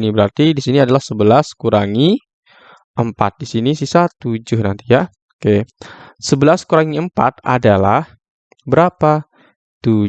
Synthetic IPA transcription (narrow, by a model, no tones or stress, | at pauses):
nibəɾart̪idisiniadalahsəbəlaskuɾaŋi | əmpa̰t̪̚disinisisat̪ud͡ʒʊhnant̪ija | kesəbəlaskuɾaŋiəmpa̰t̪̚a̰dala̰h | bəɾapa | t̪u